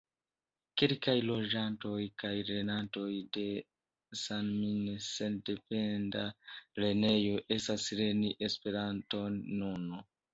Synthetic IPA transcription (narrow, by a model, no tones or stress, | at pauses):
kelkajlo̞d͡ʒanto̞jkajɾe̞nanto̞jde̞ | sanminese̞nde̞pe̞ndaɾe̞ne̞jo̞ʔe̞stasɾe̞niʔespe̞ɾanto̞nːuno